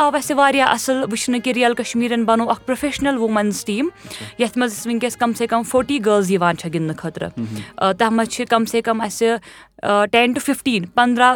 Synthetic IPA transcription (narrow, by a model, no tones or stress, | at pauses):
aːʋɐsiʋaːɾjaːʔɐsɨlʋɨt͡ʃʰnɨkiɾijɐlkɐʃmiːɾɐnbɐnoːɐkʰpɾofʰeːʃnɐlʋumɐnsʈiːmjɐt̪ʰmɐzisʋiŋkesʲkɐmsekɐmfʰoːɾʈiːɡəːlz̬jiʋaːnt͡ʃʰɐɡind̪ɨkʰɐt̪ɾɨ̰t̪ɐɦmɐt͡ʃʰikɐmseːkɐmɐsʲi | ʈenʈufʰifʈiːnpɐnd̪ɾaː